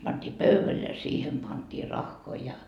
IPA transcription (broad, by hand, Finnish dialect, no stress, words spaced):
pɑnd̥iː pøyʋæl jɑ siːhem pɑntiː rɑxːoi jɑ